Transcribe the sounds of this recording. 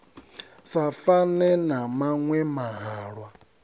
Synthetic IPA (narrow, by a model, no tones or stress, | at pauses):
safanɛnamaŋwɛmaɦaːɺwa